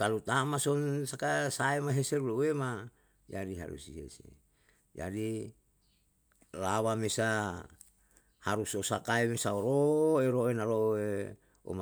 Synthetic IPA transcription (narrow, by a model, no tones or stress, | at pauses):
kalut̪amasonsakasaemaɦeselulowema | jadiɦa̰ɾṵsihḛsḛ | ja̰di | lawamesa | haɾusosakaemesaoɾoeɾoenaɾoe | o̰ma